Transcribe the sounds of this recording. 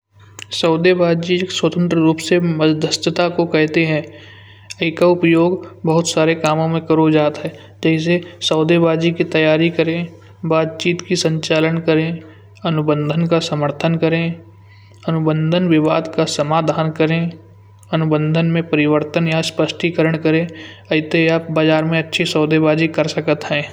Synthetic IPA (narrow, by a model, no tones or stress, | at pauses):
sɔːd̪ebaːd̪d͡ʒieːkswət̪ə̃nt̪ɾəɾuːpseməzd̪ʱəst̪ət̪akokɛɦt̪eɦɛ̃ː | əɪkaʊpjoːɡbɐɦʊt̪saːɾekaːmõmẽkɐɾod͡ʒaːt̪ɦɛ | d͡ʒɛːs̬esɐːd̪ebaːd̪d͡ʒikit̪ɐjaːɾikəɾẽ | baːt̪̚t͡ʃiːt̪kisə̃ɲt͡ʃaːlənkəɾẽ | ɐnʊbə̃nd̪ʱənkasɐməɾt̪ʰənkəɾẽ | ɐnʊbə̃nd̪ʱənʋɪʋaːd̪kasɐmaːd̪ʱaːnkəɾẽ | ɐnʊbə̃nd̪ʱənmẽpɐɾɪʋəɾt̪ənjaspəsʈʰikəɾəɽ̃kəɾẽːɐɪt̪eaːp̚baːd͡ʒaːɾmẽɐtːʃʰesɔːd̪ebaːd͡ʒikɐɾsəkət̪ɦɛ̃ː